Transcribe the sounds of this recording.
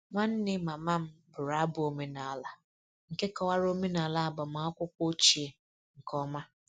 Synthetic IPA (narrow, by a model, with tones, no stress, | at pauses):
ŋʷa˦n̩˦nɪ˦ma˨ma˦m̩˦bʊ˨ɾa˨˦bʊ˨o˨me˦na˨a˦la˨ | ŋ̩˨ke˦kɔ˨wa˦ɾo˦me˦na˨a˨la˦a˦˨bɔ˨m˨a˦ɔ˦kʷʊ˦kʷo˦t͡ʃi˨e˨ | ŋ̩˨kɔ˦ma˦